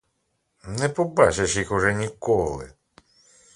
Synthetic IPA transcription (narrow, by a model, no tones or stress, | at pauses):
nɛpɔbat͡ʃɐʃixʊʐɛnʲikɔlˠɪ̰